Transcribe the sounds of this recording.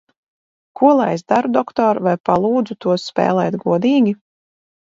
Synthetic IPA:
kuɔlˠajzd̪aɾud̪ɔkt̪ɔːɾvajpalˠuːd̪zut̪uɔsːpɛ̰ːlˠɛːt̪ɡuɔd̪iːɡʲi

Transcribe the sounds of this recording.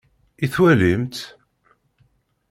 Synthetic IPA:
iθwælimt̪

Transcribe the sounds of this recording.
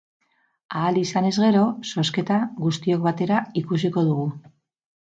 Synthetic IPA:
aːlisane̞zɣe̞ɾo̞so̞ske̞t̪aɣust̪io̞kβat̪e̞ɾaikusiko̞ð̞uɣ̞u

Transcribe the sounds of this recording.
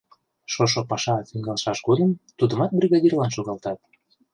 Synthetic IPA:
ʃoʃ̬opɑʃɑt̪iŋɡɑlˠʃɑʃɡod̪əmt̪ud̪ə̆mɑt̪̚brʲiɣɑd̪ʲirlɑnʃoɣɑlt̪ɑt̪̚

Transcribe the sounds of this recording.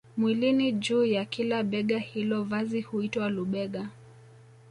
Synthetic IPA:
mwilinid͡ʒuːjakilaɓɛɠahilɔvazihuitwaluɓɛɠa

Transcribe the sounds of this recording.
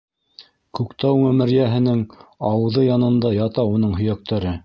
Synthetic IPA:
kʉkt̪æwmæ̆mɘ̆ɾjæɦɘ̆nɘŋɑwɤ̆ðɤjɑnɤ̆nd̪ɑjɑt̪ɑun̪ɤɴɦɵ̆jæk̚t̪ʰæɾɘ

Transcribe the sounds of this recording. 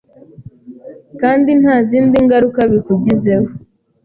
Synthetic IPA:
kaːndin̥haːziːndiŋɡaɾukaβikuɟize̞ho

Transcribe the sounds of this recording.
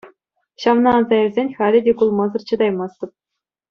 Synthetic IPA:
ɕɑʋnɑːnzɑɘ̆rʲzʲenʲχælʲɘ̆dʲekulˠmɑzɤ̆rt͡ɕɤ̆d̪ɑjmɑst̪ɤ̆p̚

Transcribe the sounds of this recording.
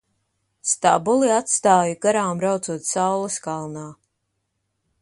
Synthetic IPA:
st̪abuliat̪st̪aːjaɡaɾaːmɾawt̪zuɔt̪sawlˠɐskalˠnaː

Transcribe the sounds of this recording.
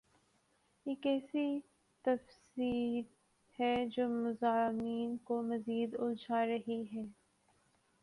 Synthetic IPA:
eːkɛːsi | t̪ɐfsiːɾ | hɛd͡ʒoːmʊzaːmiːnkomɐziːd̪ʊld͡ʒʱaːɾɐɦiɦɛː

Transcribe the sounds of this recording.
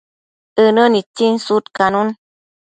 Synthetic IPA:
ɨnənit͡ʃinsut̪kanun

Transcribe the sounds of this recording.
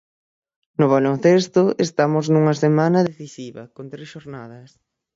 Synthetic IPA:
nʊβalon̟θest̪ʊest̪amʊznuŋɐsemanɐðeθisiβɐ̰kont̪ɾesʃoɾnaðɐs

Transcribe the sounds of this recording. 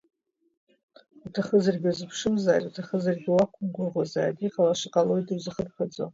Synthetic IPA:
utʰaχəzarɡʲazɨpʰʂɨmzaːtʼutʰaχəzarɡʲiwakʷʰʊmɡʷʊrʁʷazaːdiqalaʂɨqʼalo̞jdɨrzɨχədχad͡za̰

